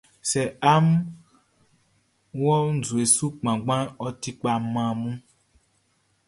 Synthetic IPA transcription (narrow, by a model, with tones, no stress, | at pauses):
sɛ˨a˦m˦ | wɔ˦n̩˦˨zu˨e˨su˦k͡pã˨ɡ͡bã˦nɔ˦ti˦k͡pa˨mã˨mũ˦